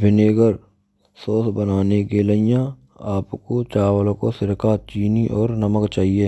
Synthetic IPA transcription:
bʱɪneːɡəɾ | soːsbənaːnekeləɪjã | aːpkot͡ʃaːwəl̃kosɪɾkat͡ʃiːniʔɔːɾnɐməkt͡ʃaːɦieː

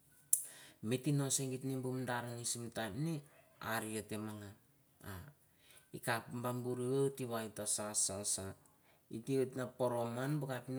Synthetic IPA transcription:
metino̞seŋɡitnimbumdaɾalisimtanni | aɾiote̞maŋa | a | ikapmbambuɾiwewtiβajitasasasa | itietnapo̞ɾo̞manbukapin

